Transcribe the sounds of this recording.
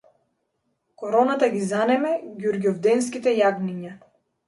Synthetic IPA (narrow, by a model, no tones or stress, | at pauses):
kɔɾɔnat̪aɡʲizanɛmɛɡʲuɾɡʲɔvd̪ɛns̬kʲit̪ɛjaɡniɲa